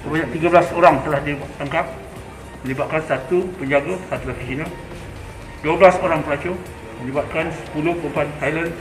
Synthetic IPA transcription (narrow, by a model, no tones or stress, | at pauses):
səbaɲak̚t̪iɡablasoɾaŋt̪əlahdibat̪aŋkap̚ | mə̃libat̪̚kansat̪upəɲd͡ʒaɡasat̪ulafisina | duəblasoɾaŋpəlat͡ʃo | mə̃libat̪̚kansə̥puluhpəmpant̪ajlən